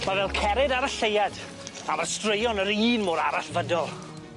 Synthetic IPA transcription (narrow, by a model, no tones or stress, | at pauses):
mavɛlˠkʰɛɾɪdaɾəɬejad | avarstrəjɔnəɾiːnmoːɾaɾaɬvədɔlˠ